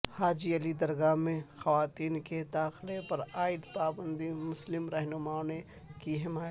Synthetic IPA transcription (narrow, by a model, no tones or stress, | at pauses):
haːd͡ʒiɐlid̪ɐɾɡaːmẽxɐʋaːt̪iːnked̪aːxlepɐɾaːɪd̪paːbə̃nd̪imʊslɪmɾɛɦnʊmaːne | kiɦɪmaːjt̪